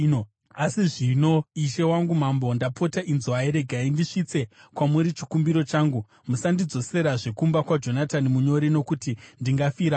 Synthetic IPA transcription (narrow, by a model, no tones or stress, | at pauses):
asiʐino̞iʃe̞waŋɡumambo̞ndapo̞taʔinzaeɾe̞ɡʱaindiʂit͡se̞kwamuɾit͡ʃikumbiɾo̞t͡ʃaːŋɡu | musandid͡zo̞se̞ɾaʐekumbakwad͡ʒo̞natanimuɲo̞ɾino̞kutindiŋɡafiɾa